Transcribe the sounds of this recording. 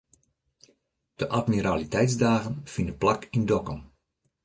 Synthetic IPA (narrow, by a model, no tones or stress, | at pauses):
d̥əʔatmiɾaːlitɛjtsdaːɣənfindəplakindɔkɔm